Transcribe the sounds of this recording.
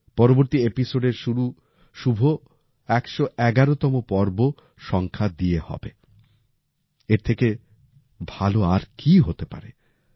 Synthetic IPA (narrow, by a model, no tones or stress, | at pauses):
pɔɾoboɾt̪iepisoɖeɾʃuɾu | ʃubʱo | ɛkʃoʔɛɡaɾot̪ɔmopɔɾbo | ʃɔŋkʰad̪iehɔ̰be | eɾt̪ʰeke | bʱaloaɾkiɦot̪epa̰ɾe